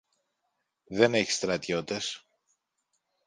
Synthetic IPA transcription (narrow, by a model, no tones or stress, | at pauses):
ðe̞ne̞çi̥st̪ɾɐt̪o̞t̪e̞s